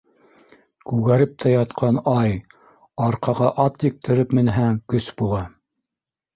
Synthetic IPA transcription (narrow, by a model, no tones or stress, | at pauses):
kʉɣæɾɘp̚t̪ʰæjɑt̪qʰɑnɑj | ɑɾqɑʁɑʔɑt̪jɘ̆k̚t̪ʰɘ̆ɾɘpmɘ̆nɦæŋkɵsbulˠɑ